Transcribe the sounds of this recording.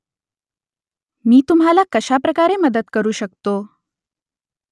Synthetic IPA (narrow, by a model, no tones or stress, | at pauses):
miːt̪umɦalakəɕapɾəkaɾeməd̪ət̪kəɾuːɕəkt̪o